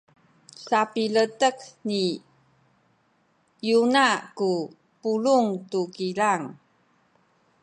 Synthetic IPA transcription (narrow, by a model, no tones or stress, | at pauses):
sapilətəkni | junaku | puluŋtukilaŋ